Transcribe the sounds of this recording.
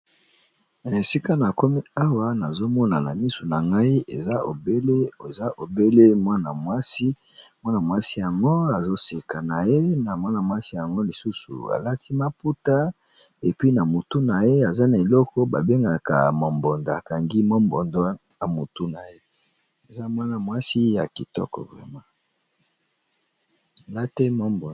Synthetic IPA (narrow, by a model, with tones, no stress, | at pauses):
na˨e˨si˦ka˦na˨ko˦mi˦a˦wa˦na˨zo˦mɔ˦na˨na˨mi˦so˨na˨ŋɡa˦i˦ḛ˨za˦o̰˨be˦le˦o˨za˦ʔo˨be˦le˦mwa˦na˨mwa˦si˦ | mwa˦na˨mwa˦si˦ja˨ŋɡo˦a˨zo˦se˨ka˨na˨je˦na˨mwa˦na˨mwa˦si˦ja˨ŋɡo˦li˨su˦sṵ˨a̰˨la˦ti˦ma˦pu˦ta˦ | e˨pɥi˦na˨mo˨tu˦na˨je˦a˨za˦na˨e˨lɔ˦kɔ˦ba̰˨be˦ŋɡa˨ka̰˨mo˨mbɔ˨ndo˨a˨ka˨ŋɡi˦mo˦mbɔ˨nda˦ | na˨mo˨tu˦na˨je˦ | e˨za˦mwa˦na˨mwa˦si˦ja˨ki˨tɔ̰˦kɔ̰˨vʁɛ̰˨ma˦˨ | la˦te˦mɔ˦mbɔ˨